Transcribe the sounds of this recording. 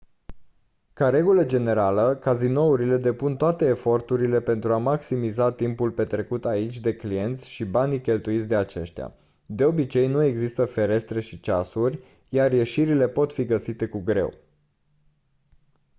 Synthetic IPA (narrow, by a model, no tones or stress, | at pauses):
kaɾe̞ɡuləd͡ʒe̞ne̞ɾaləkazino̞uɾile̞d̪e̞punt̪oat̪e̞ːfo̞rt̪uɾile̞pe̞nt̪ɾuamaksimizat̪impulpe̞t̪ɾe̞kut̪ait͡ʃʲd̪e̞klie̞nt̪sʲʃibanikʲe̞lt̪uit̪sʲd̪e̞at͡ʃe̞̰ʃt̪ja̰ | d̪e̞o̞bit͡ʃe̞jnue̞ɡzist̪əfe̞ɾe̞st̪ɾe̞ʃit͡ʃasurʲ | jarje̞ʃiɾile̞po̞t̪fiɡəsit̪e̞kuɡɾe̞̰w